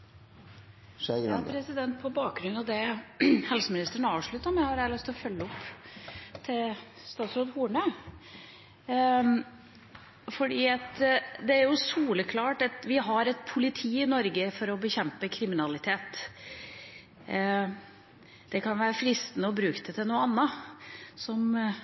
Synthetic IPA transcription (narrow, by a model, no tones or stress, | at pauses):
ɑpʰɾɛsɪd̪ɛnt̪̚pʰɔbɑːk̚ɡɾʉnːɔd̪ɛhɛlsəmɪnɪst̪əəɳɑːʋʂɭʉt̪ːəɾmæhɑɾælɪst̪ɔfœlːəɔpː | t̪ʰɪl | st̪ɑːt̪sɾoːd̪huːɳə | fɔɖiːɑt̪d̪ɛæɾjʊsuːləkʰlɑːʈɑt̪ʋɪɦɑɾɛt̪̚pʰʊlɪt̪ʰiːɪnɔɾɡəfɔɾɔbəçɛmpəkʰɾɪmɪnɑlɪt̪ʰeːt̪ | d̪̥ɛkʰɑnʋæːɾəfɾɪst̪ənəɔbɾʉːkt̪ət̪ʰɪlnuːəɑnːə | sɔm